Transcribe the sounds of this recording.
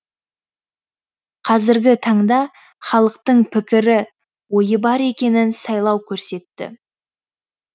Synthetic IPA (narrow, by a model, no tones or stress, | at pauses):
qʰɑzɪɾɡʲɪt̪ʰɑɴd̪ɑ | χɑlˠəqt̪əɴpʰɪkʲɪɾɪ | wo̞jəbɑɾe̞kʲe̞nɪnsɑjlˠɑwkʲʰɵɾse̞t̪ːɪ̰